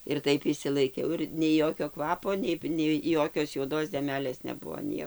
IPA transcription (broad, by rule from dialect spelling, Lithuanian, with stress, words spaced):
ɪr ˈtɐɪp ɪʃʲsʲɪlˠɐɪˈkʲɛʊ ɪr nʲɛɪ ˈjoːkʲoː ˈkʋɑːpoː ˈnʲɛɪ nʲɛɪ ˈjoːkʲoːs juɔˈdoːs dʲɛˈmʲæːlʲeːs nʲɛˈbuɔ ˈnʲiɛ